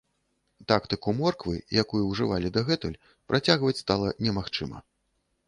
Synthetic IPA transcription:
t̪akt̪ɨkumɔrkvɨ̰jakujuwʐɨvalʲid̪ɐɣɛt̪ulʲ | pɾʔat͡sʲaɣvɐt͡sʲst̪alˠɐnʲɛmaxt͡ʂɨmɐ̰

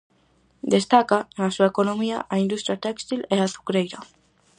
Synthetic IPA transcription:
d̪e̞st̪akanasuekonomia̰ʔaind̪ust̪ɾiat̪ekst̪ileaθu̥kɾejɾo

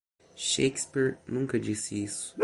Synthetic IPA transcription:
ʃejkspiɾnũkɐd͡ʒisɪisʊ̥

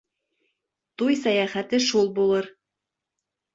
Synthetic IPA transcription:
t̪ujsæjæχæt̪ɘʃulˠbulˠɤɾ

